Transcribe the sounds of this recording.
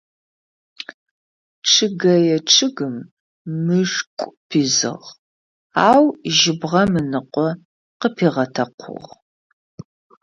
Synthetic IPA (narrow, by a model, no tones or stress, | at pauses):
ʈ͡ʂʰʼɨɡɐjɛʈ͡ʂʼʰɨɡɨmː | ɨʂkʷʼpʰiːzɨ̰ʁ | aːwʒɪbʁɐmɨnɨqʷʼɔ | qəpʰeːʁɐtʰɐqʷʰʊ̰ʁ